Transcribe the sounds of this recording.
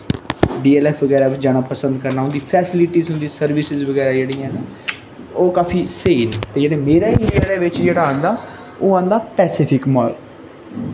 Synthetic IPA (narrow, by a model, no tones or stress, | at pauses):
ɖiːɛːlɛːpʰʋəɡɛːɾaːd͡ʒaːɽaːpəsə̃nd̪kəɾnaːɦʊ̃nd̪iːpʰɛːsɪlɪʈiːzɦʊnd̪iːsəɾʋɪsɪzʋəɡɛːɾaːd͡ʒeːɽiːãna | oːkaːpʰiːseːnt̪eːd͡ʒeːɽeːmeːɾaːɪ̃ɳɖijaːd̪eːʋɪt͡ʃd͡ʒeːɽaːɦə̃nd̪aː | oːãːnd̪aːpɛːsɪpʰɪkmɔːɾl